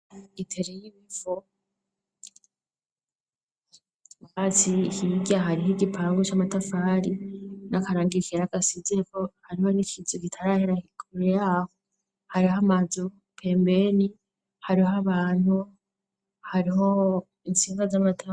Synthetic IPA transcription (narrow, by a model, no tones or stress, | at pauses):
itʰe̞ɾejiβifo | hat͡sihiɡaɦaɾiɦiɡipʰaːŋɡot͡ʃamatafaːɾinakaɾaːŋɡikiɾaɡasizieko̞haɾiho̞nikʰizokitʰaɾaheɾaikʰuɾejaho | haɾiɦamazo | pʰe̞ːmbe̞ni | haɾiɦaβaːn̥hu | haɾiɦo̞ | insiːŋɡazamatʰa